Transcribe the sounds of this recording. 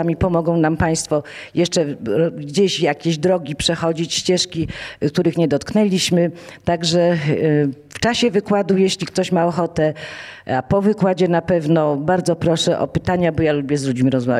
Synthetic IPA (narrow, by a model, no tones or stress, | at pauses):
amʲipɔmɔɡɔ̃w̃nampaj̃st̪fɔjɛʂt͡ʂɛɡd͡ʑeɕjakʲeʑd̪ɾɔɡʲipʂɛxɔd͡ʑit͡ɕɕt͡ɕɛʂkʲik̚t̪uɾɘxɲɛd̪ɔt̪knɛlʲiɕmɘt̪aɡʐɛ | ft͡ʂaɕɛvɘkwad̪ujeɕlʲikt̪ɔɕmaɔxɔt̪ɛapɔvɘkwad͡ʑɛnapɛvnɔbaɾd̪zɔpɾɔʂɛʔɔ̰pɘt̪aɲabɔjalubʲjɛzlud͡ʑmʲiɾɔzma̰v